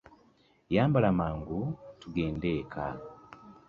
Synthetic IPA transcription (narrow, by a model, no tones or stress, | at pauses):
jaːmbalamaːŋɡutuɡeːndekʰa̰